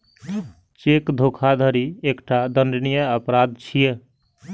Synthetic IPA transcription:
t͡ʃekd̪ʱokʰad̪ʱəɾiekʈad̪ənɖənijəəpɾad̪̚t͡ʃʰije

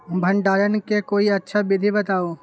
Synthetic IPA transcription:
bʱɐɳɖaːɾənkekoːiɐtːʃʰabɪd̪ʱibɐt̪aːo

